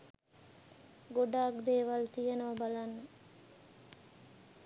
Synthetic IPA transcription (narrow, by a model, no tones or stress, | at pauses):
ɡoɖaːkd̪eːʋalt̪iɦenəʋɐbalanːə